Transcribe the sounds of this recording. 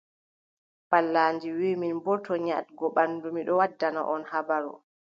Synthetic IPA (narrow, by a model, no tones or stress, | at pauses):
palːaːnd͡ʒiwiːminbɔtʰɔɲa̰tɡɔɓanːdumiɗɔwadːana̰ʔɔnhabaɾṵ